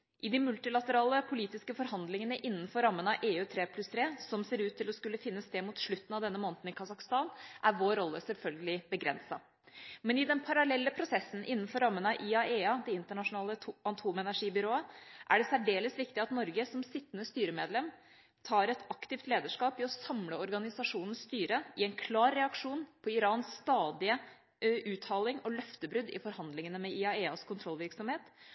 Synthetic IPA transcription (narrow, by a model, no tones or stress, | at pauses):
ʔɪd̪ɪmʉlt̪ɪlɑt̪əɾɑːləpʰʊliːt̪ɪskəfɔɾhɑnd̪lɪŋənəʔɪnːn̩fɔɾɑmːənɑʔeːʉːt̪ʰɾeːpʰlʉst̪ʰɾeːsɔmseːɾʉːt̪ʰːɪlɔskʉlːəfɪnːəst̪eːmuːt̪ʂɭʉt̪ːnɑʋd̪ɛnːəmoːnt̪n̩ɪkʰɑsɑkst̪ɑːnʔæɾʋoːɾɔlːəsɛlfœlɡəlɪbəɡɾɛ̰nsɑ̰ | mɛnɪd̪ɛnpʰɑɾɑlɛlːəpʰɾʊsɛsːn̩ʔɪnːənfɔɾːɑmːənɑʔiɑeːɑd̪ɛɪnt̪əɳɑʂʊnɑːləɑnt̪ʰuːmɛnæʂiːbʏɾoːəʔæ̰ɖɛsæɖeːləsʋɪkt̪ɪɑt̪nɔɾɡəsɔmsɪt̪ːənəst̪yːɾəmeːd̪lɛm | t̪ʰɑːɾɛt̪ɑkt̪ɪft̪leːd̪əʂkɑːpɪɔsɑmləɔɾɡɑnɪsɑʂuːnn̩sst̪yːɾəɪɛɪnkʰlɑːɾːɛɑkʂuːnpʰɔɪɾɑːnsːt̪ɑːd̪ɪə | ʔʉːt̪ʰɑːlɪŋɔlœft̪əbɾʉd̪ɪ̰fɔɾhɑnd̪lɪŋənəmɛʔiɑeːɑskʰʊnt̪ʰɾɔlːʋɪɾksɔmheːt̪